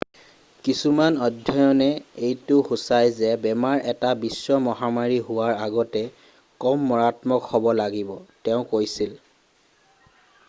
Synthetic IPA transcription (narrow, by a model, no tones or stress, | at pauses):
kisumanɔdʱjɔjɔnɛejtʊxusajzɛbɛmaɹɛtabisːɔmɔɦamaɹiɦʊwaɹaɡɔtɛ | kɔmːɔɹatmɔkhɔbɔlaɡibɔtɛʊ̃kojsil